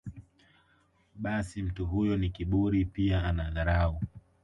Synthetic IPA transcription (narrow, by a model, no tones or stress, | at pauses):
ɓasim̩tuɦujɔnikiɓuɾipiaanaðaɾau